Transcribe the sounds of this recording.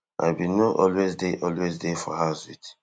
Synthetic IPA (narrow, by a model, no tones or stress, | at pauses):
ʔa̰jbinɔʔɔlwezdeʔɔlwezdefɔhaʊsit